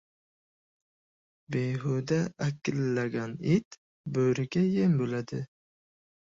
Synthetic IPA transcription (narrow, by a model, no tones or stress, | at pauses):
beɦud̪ɛːkʲːɪlːæɡʲɑnit̪ | bøɾɪɡʲɛjembølæd̪ɪ